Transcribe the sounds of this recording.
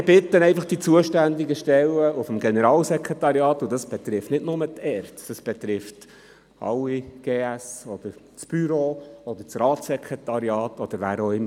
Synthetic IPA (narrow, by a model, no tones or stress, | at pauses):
mɪb̥ɪt̪ːənɛɪfɑχd̥it͡suəʃtænd̪iɡəʃtɛlːəufəmɡɛnɛɾɑːlsɛkʰʁɛtɑɾiɑːt̪ʊd̥̪ɑsb̥ɛt̪ɾɪftnɪdnʊmət̪ʰɛːrtd̥ɑsb̥ɛt̪ɾɪft | ɑ̰wiɡ̥eːæsɔd̪̥əɾ | t͡sb̥yɾoːɔd̪əɾt͡srɑːtsɛkʰɾɛt̪ɑɾjɑːt̪ʰɔd̥̪əɾʋæːɾoɪm